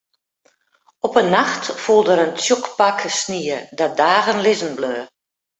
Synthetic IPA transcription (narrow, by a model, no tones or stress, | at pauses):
ɔpənːaxtfulˠdəɾənt͡sjukpakəsniədadaːɣənlɪzənbløː